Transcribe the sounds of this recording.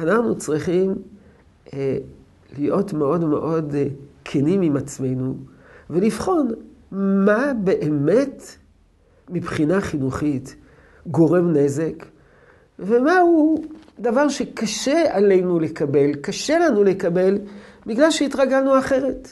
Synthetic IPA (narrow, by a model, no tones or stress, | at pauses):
anaχnut͡sʁiχim | lijo̞tmeo̞dmḛʔo̞dkʰenimimat͡sme̞jnu | ve̞lifχo̞nmabe̞ʔeme̞t | mipχinaχinuχit | ɡo̞ʁe̞mne̞ze̞k | vemahudavaʁʃekaʃealejnulekabe̞lkaʃe̞lanulekabe̞lbiɡlalʃeitʁaɡalnuaχe̞ʁe̞t